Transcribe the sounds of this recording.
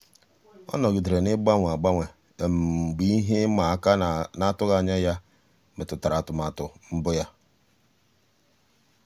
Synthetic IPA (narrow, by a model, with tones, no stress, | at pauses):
ɔ̰˦nɔ˨ɡɪ˨de˨ɾe˨nɪ˦ɡ͡ba˦ŋʷ˨a˨ɡ͡ba˦ŋʷe˨ | m̩˨ɡ͡bi˦i˦ɦe˦ma˨˦ka˦na˦˨tʊ˦ɣa˨ɲa˦ja˦ | me˨tʊ˨ta˨ɾa˨tʊ˨ma˨tʊ˨m̩˦bʊ˦ja˦